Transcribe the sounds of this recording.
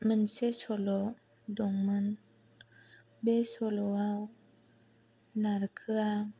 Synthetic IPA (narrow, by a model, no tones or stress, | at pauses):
mɯnsesɔlɔ | dɔŋmɯn | besɔlɔaw | naɾkʰɯa